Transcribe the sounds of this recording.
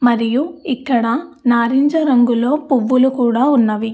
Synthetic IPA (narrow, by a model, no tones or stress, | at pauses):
mɐɾijuikːɐɽɐnaːɾiɲd͡ʒɐɾɐŋɡulo̞ːpuʋːulukuːɽaːunːɐʋi